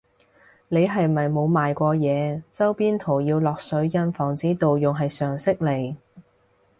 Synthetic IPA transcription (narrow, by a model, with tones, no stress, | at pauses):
ne˨˧jɦɐ˨jmɐ˨jmo˨˧wmaː˨jkʷɔː˧jɛː˨˧t͡sɐ˥wpiː˥nt̪ʰo˨˩wjiː˧wlɔː˨k̚sɵ˨˥ɥjɐ˧nfɔː˨˩ŋt͡siː˨˥t̪o˨wjʊ˨˩ŋɦɐ˨jsœː˨˩ŋsɪ˥k̚le˨˩j